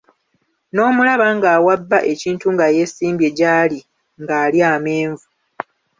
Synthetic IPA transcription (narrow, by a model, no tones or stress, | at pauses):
no̞ːmulaβaŋɡaːwabːaʔe̞ciːntuŋɡaje̞siːmbje̞ɟaːli | ŋɡaːliaːme̞ːɱvu